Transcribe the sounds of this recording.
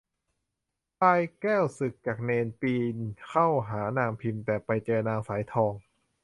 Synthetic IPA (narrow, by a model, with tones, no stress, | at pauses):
paː˧jkɛː˥˩wsɯ˨˩kːaː˨˩k̚neː˧npiː˧nkʰa˥˩wɦaː˩˦naː˧ŋpʰi˧mt̪ɛː˨˩pa˧jt͡ɕɤː˧naː˧ŋsaː˩˦jt̪ʰɔː˧ŋ